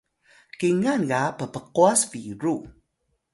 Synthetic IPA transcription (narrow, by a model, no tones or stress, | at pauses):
kiŋanɣapəpəquasviɾu